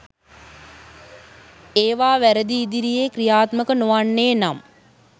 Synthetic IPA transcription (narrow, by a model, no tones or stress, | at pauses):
eːʋaːʋæɾəd̪iːd̪iɾijeːkrijaːt̪məkənoʋaɳːeːnam